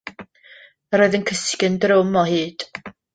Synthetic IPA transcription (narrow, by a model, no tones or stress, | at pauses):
ɾoːjðənkʰəskɪndrɪwmɔhɨːd̥